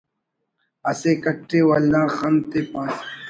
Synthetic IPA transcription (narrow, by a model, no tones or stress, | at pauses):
ɐseːkɐʈːeːwɐlːãːxɐnt̪eːpãːs